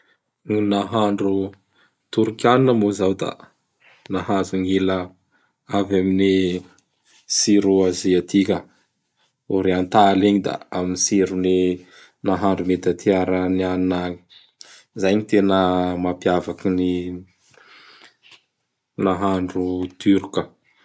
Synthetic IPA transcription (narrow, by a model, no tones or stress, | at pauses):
nunaɦaɳɖ͡ʐu | t̪uɾukʲaninəmozawd̪a̰ | naɦazuŋilə | avamini | siɾuaziat̪ʰikʲə | uɾeant̪aleɲid̪a̰aminisiɾuni | naɦaɳɖ͡ʐumet̪at̪ʰiaɾaniannaɲi̥ | zajɲit̪enəmapjavakini | naɦaɳɖ͡ʐut̪yɾkə